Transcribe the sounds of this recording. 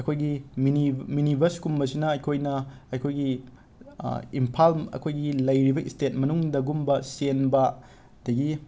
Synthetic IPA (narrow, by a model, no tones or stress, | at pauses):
ɐkʰojɡiminiminibʱɐɾskumbɐs̬inɐɐjkʰojnɐɐjkʰojɡi | impʰalɐ̰kʰojɡilɐjɾibɐʔistet̚mɐnuŋdɐɡumbɐsenbɐ | dɐɡi